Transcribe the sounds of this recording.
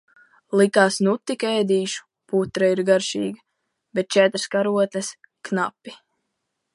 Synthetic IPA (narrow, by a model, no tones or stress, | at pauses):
lˠikaːsnut̪ːikɛjd̪ʲiːʃu̥ | put̪ɾaiɾɡaɾʃḭːɡa | bet̪̚t͡ʃɛt̪ɾskaɾuɔt̪ʲlʲɛs | kna̰pːi